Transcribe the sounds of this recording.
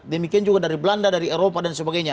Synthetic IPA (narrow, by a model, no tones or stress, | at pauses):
dəmikiand͡ʒuɡadaɾiblandadaɾiɛɾopadansəbaɡajɲa